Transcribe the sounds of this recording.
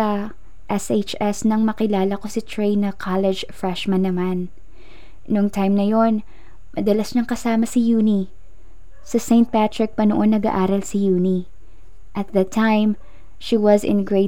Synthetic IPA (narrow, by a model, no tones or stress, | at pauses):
ɐ | ʔɛsʔet͡ʃɛsnɐŋmɐkɪlaːlɐko̞sɪt̪ɹejnɐkʰalɛd͡ʒfɹɛʃmɐ̃nːɐman | nʊŋt̪ajmnɐjo̞n | mɐd̪ɐlasɲɐŋkɐsaːmɐsɪjuːni | sɐsẽjnt̪̚pat̪ɹɪk̚pɐnoʔo̞nːɐɡa̰ʔaːɾɐlsɪjuːni | ʔɐt̪̚ðɐt̪ʰãjm | ʃiwɐzɪ̰̃nɡɹeɪ